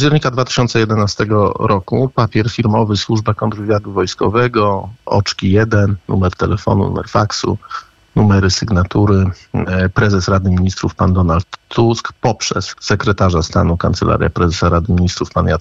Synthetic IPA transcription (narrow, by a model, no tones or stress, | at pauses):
pad͡ʑɛɾʲɲikad̪vat̪ɘ̥ɕɔnt̪sɛjɛd̪ɛnast̪ɛɡɔɾʔɔkupapʲjɛɾfʲiɾmɔvɘswuʐbakɔnd̪ɾɔvʲjad̪uvɔjskɔ̰vɛɡɔɔ̰t͡ʂkʲijɛd̪ɛnːṵmɛɾt̪ɛlɛfɔ̰nṵnṵmɛ̰ɾfaksṵ | numɛɾɘsɘɡnat̪uɾɘpɾɛzɛsɾad̪ɘmʲiɲist̪ɾufpand̪ɔnalt̪ʰːuskpɔpʂɛsːɛkɾɛt̪aʐast̪a̰nukant̪sɛlʔa̰ɾʲja̰pɾɛzɛsaɾad̪ɘmʲiɲist̪ɾufpanja